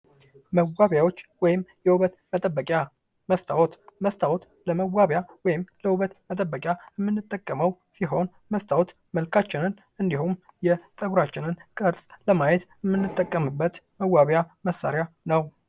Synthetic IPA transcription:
məwaβjawo̞t͡ʃːwɔjɪmjɛwuβət̪mət̪ʼəbːəkʼja | məst̪ʰʼawt̪məst̪ʰawot̪ | ləməwːaβjawɔjɪmləwuβət̪mət̪ʼəbːəkʼjajɛmːɨnːɨt̪ʼːəkʼːəməw | siɦo̞n | məst̪ʰʼawot̪ | məlkʰat͡ʃːɪnɨn | ɨnd̪ihum | jɛt̪ʼəɡuɾat͡ʃːɪnɨnkʼəɾsʼləmajɛt̪ɛmːɨnːɨt̪ʼːəkʼːəmɨbːət̪məwːaβjaməsːaɾɪja | nəw

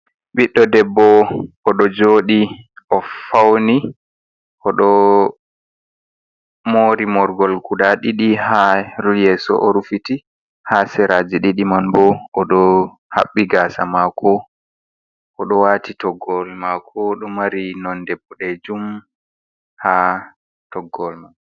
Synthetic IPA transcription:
ɓiɗːɔdɛbːɔʔɔɗɔd͡ʒoːɗiʔɔfawni | ʔɔɗɔ | moːɾimɔɾɡɔlkuɗaɗiɗihaɾujɛːsɔ̰ʔɔɾufiti | hasɛɾad͡ʒiɗiɗimanbɔʔɔɗɔ | ha̰ɓːiɡasa̰makʰɔ | ʔɔɗɔwaːtitɔɡɔlmakʰɔɗɔmaɾinɔndɛbɔɗɛd͡ʒum | ha | tɔɡːɔlman

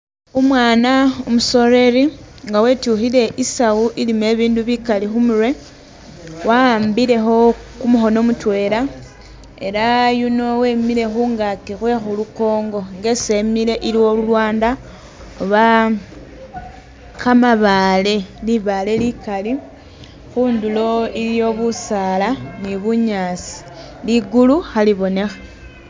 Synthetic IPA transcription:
umwaːnaomuso̞ɾe̞ɾi | ŋɡawe̞ːtuxile̞ʔisawuʔilime̞βiːnduβikalixumuɾwe̞ | wambiɾe̞xo̞ | kumuxo̞no̞mutwe̞ːɾa | e̞̰ɾajuno̞we̞miɾe̞xuŋɡakixwe̞xuluko̞ːŋɡo̞ŋɡe̞se̞miɾe̞ʔiɾiwo̞lulwaːnda | oβa | kamaβale̞liβale̞likali | xuːndulo̞iɾjo̞βusaːlaniβuɲaːt͡si̥ | liɡuluxaliβo̞ne̞xḁ

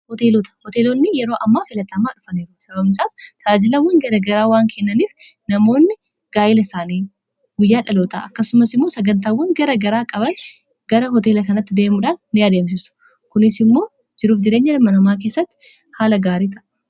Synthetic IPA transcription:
hɔt̪eːlɔt̪ɐ̥hɔt̪e̞ːlɔnːɪjɛɾo̞ːʔɐmːaːfɪlɐt̪ːɐmaːᶑʊfɐniːɾsɐbɐbnɪsaːst̪aːd͡ʒɪlɐwːɐŋɡɐɾɐɡɐɾaːwaːŋkʰɛnːɐniːf | nɐmo̞ːnːɪ | ɡ̥aːʔɪlɐsaːniː | ɡʊjːaːᶑɐloːt̪a̰ʔɐkːɐsʊmɐsɪmːo̞ːsɐɡɐnt̪̬aːwːɐŋɡɐɾɐɡɐɾaːkʼɐbɐn | ɡɐɾɐɦɔt̪̬eːlɐkɐnɐt̪ːɪd̪eːmʊᶑaːnːɪjaːd̪eːmsɪsʊ̥ | kʊnɪsɪmːo̞ː | d͡ʒɪɾuːfd͡ʒɪɾe̞ːɲːɐlɐmːɐnɐmaːk̬e̞ːsːɐt̪ːɪ̥ | haːlɐɡaːɾiːt̪ɐʔ

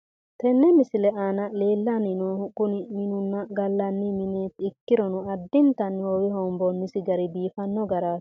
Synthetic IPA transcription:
t̪ɛnːɛmɪsɪlɛʔaːnɐleːlːanɪnɔhʊɡʊnɪmɪnʊnːɐɡɐlːɐnːɪmɪnɛɪkːɪɾɔnʊɐd̪ːɪnt̪ɐnːwɔwɪɦɔmbɔnːɪsɪɡɐɾɪbiːfɐnːɔɡɐɾḁː

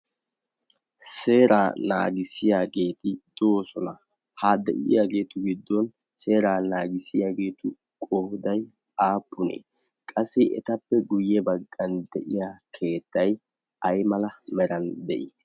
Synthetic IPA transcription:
se̞ːɾaːna̰ːɡɪsɪjaːɡe̞ːt̪ɪd̪̥oosɔnɐ | haːd̪ɛ̰ʔɪ̰jaːɡe̞ːt̪ʊɡɪd̪ːɔn | se̞ːɾaːnaːɡɪsɪjaːɡe̞ːt̪ʊ | kʼɔhd̪ɐj | aːpʰːʊnḛː | kʼɐsːɪʔɛ̰t̪ɐpːɛɡʊjːɛbɐɡːɐnd̪ɛʔɪjaːkʰe̞ːt̪ːɐj | ʔɐjmɐlɐmɛɾɐnd̪ɛʔɪ

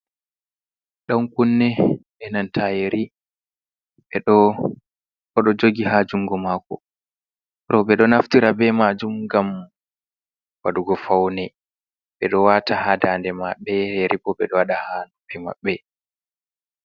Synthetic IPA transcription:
ɗaŋkunːɛʔɛnantʰajeɾi | ɓɛɗɔ | kɔɗɔd͡ʒoɡiɦad͡ʒuŋɡɔmaːkɔ̰ | ɾɔɓɛɗɔnaftiɾabɛmad͡ʒumɡam | waɗuɡɔfawnɛ | ɓɛɗɔwatahadaːndɛmaɓɛeɾibɔɓɛɗɔwaɗahanubɛma̰ɓːɛ

